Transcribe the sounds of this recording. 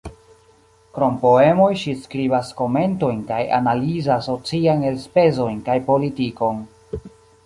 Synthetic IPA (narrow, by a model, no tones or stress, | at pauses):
kɾo̞mpo̞e̞mo̞jʃiskɾibasko̞me̞nto̞jnkaja̰nalizaso̞t͡siajne̞lspe̞zo̞jnkajpo̞litiko̞n